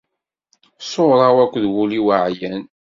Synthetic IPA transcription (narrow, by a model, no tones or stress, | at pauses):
soɾˤɑwækʷːðwuliwəʕjən